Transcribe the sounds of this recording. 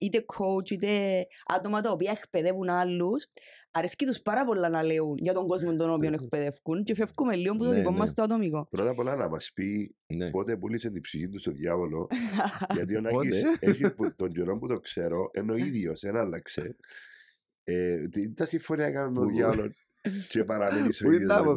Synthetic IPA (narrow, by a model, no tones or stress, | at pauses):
it̪ekʰowt͡ʃit̪ea̰t̪omɐt̪ɐopiɐekpeðe̞vunalːusɐɾescit̪uspɐɾɐpolːɐnɐleunjɐt̪o̞ŋɡozmont̪onopionek̚pe̞ðefkuncefefkumelːiomput̪oðikomːɐst̪oɐt̪omikopɾot̪ɐpolɐnɐmɐ̰spipot̪epulisent̪ipsiçint̪ust̪oðjɐvolo̰ʝɐt̪̬ionaiseçiput̪ond͡ʒoɾomput̪okseɾo̞ʔenːoiðjosenalːɐkse | et̪it̪ɐsiɱfoniɐkanunoðjalon | cepɐɾɐminisoi